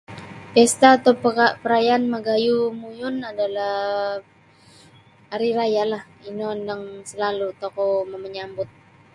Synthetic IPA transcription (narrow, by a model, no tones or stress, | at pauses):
pɛst̪aːt̪oapəɾajanmaɡajumujʊnadalah | aɾiɾajalah | inɔndaŋsəlalut̪okɔməməɲambʊt̪̚